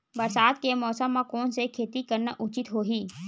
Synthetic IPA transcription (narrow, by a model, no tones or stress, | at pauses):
bɐɾsaːd̪̚kemɔːsəmːãkɔːnsekʰeːt̪ikɐɾnaʔʊt͡ʃɪt̪ɦoːɦiː